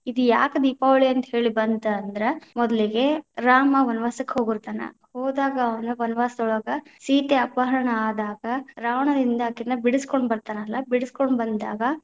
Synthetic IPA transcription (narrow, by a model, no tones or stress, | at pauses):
id̪ujaːkɐd̪iːpaːʋɐɭiɐnt̪ɐhe̞ːɭibɐnd̪ɐɐnd̪ɐɾemɔd̪ɐliɡe̞ɾaːmɐʋɐnʋaːsɐkːeɦoːɡiɾt̪aːnɐ̰ | hoːd̪aːɡɐːʋɐnɐʋɐnʋaːsd̪ɔɭɐɡɐsiːt̪eɐpaːɦɐɾɐɳɐaːd̪aːɡɐɾaːʋɐɳɐd̪ind̪ɐːkːinɐbiɽiskoɳɖbɐɾt̪aːnɐlːɐbiɽiskoɳɖbɐnd̪a̰ːɡɐ